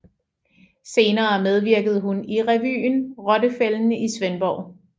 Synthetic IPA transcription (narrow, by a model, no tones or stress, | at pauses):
se̝ːnɐːmeð̞ˠʋiɐɡ̥əð̞̩ˠɦuniʁɛʋy̰ːnʁɒ̽dəfeln̩əʔisʋenb̥ɒʊ̰